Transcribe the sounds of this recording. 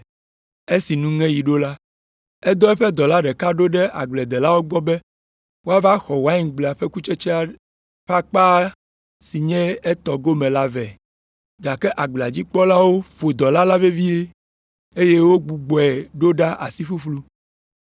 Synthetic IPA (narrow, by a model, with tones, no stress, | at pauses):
e˦si˨nũ˦ŋɛ̃˦ji˨ɖo˦la˦ | ɛ˦d̪ɔ˦ɛ˦ɸɛ˦d̪ɔ˨la˦ɖɛ˨ka˦ɖo˦ɖɛ˦ʔa̰˨ɡ͡blɛ˨d̪ɛ˨la˦wo˦ɡ͡bɔ˦bɛ˦ | wo˦a˦va˦xɔ˨wa˦ɲĩ˨˦ɡ͡blɛ˨a˨ɸɛ˦ku˦t͡ʃɛ˦t͡ʃɛ˦a˦ | ɸa˦k͡pa˦ | si˨ɲɛ̃˦ɛ˦t̪ɔ˨ɡo˦mɛ̃˨la˦vɛ˨ | ɡa˨kɛ˦ʔa˨ɡ͡ble˨a˨d͡ʑi˦k͡pɔ˦la˦wo˦ɸo˨d̪ɔ˨la˦la˦ve˦vi˦e˦ | e˦je˦wo˦ɡ͡bu˨ɡ͡bɔ˨ɛ˨ɖo˦ɖa˦ʔa̰˨si˦ɸu˦ɸlu˦